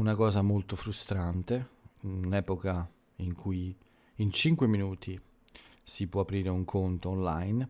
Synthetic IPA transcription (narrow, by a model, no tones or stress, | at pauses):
unakɔːzamolt̪ofɾust̪ɾant̪enɛːpoka | iŋkʰuj | int͡ʃiŋkweminuːt̪ʰi | sipwɔapɾiːɾeuŋkʰont̪oonlajn